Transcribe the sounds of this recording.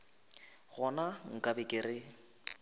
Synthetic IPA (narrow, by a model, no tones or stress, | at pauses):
ɣɔnaŋ̩kʼabɪkʼɪrɪ